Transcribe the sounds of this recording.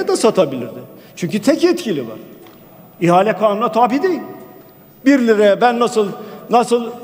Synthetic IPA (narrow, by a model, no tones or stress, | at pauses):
ɛd̪asat̪ʰabilʲiɾd̪ɪt͡ʃʰyɲcyt̪ʰɛcɛt̪cʰilʲiva̰ɾ̥ | iɦaːlʲɛkʰaːmunat̪ʰaːbid̪ejilʲ | biɾlʲiɾɛbænːasɯlˠnasɯlˠ